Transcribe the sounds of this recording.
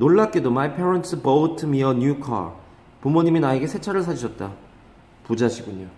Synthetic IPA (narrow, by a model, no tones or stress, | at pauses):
noɭːak͈edomaipʰeɾʌntʰɯbʌtʰɯmiʌɲjukʰa̰ɾ | pumoɲiminaeɡe̞sʰe̞t͡ɕʰaɾɯɭsʰad͡ʑiɕʰʌt̚t͈a | pud͡ʑaɕʰiɡuɲo